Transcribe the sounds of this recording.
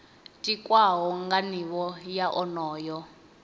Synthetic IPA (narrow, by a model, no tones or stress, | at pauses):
tʼikʼwaɦɔŋɡaniβɔjaʔɔnɔːjɔ